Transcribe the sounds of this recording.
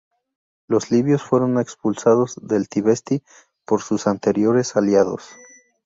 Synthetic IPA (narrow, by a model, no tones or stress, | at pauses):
lo̞zliβjo̞sfwe̞ɾo̞ne̞kspulsaðo̞zðe̞lt̪iβe̞st̪i | po̞ɾsusant̪e̞ɾjo̞ɾe̞saljaðo̞̰s